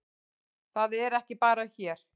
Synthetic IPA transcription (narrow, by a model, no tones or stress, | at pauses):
θaðɛɾɛhcɪpaːɾaçɛːɾ̥